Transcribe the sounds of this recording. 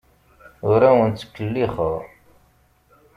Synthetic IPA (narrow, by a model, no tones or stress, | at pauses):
ʊɾæwənt͡sːə̥kːəlːiχəʁ